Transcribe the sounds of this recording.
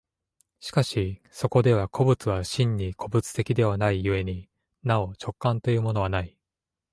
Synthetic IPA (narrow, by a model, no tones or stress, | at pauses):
ɕi̥kaɕi | so̞ko̞d̪e̞βakʰo̞bɯ̟t͡sɨβaɕĩɲ̟ːikʰo̞bɯ̟t͡sɨ̥t̪e̞kʲid̪e̞β̞anaijɯ̟e̞ɲ̟i | nao̞t͡ɕo̞kːãnt̪o̞jɯ̟ːmo̞no̞βanai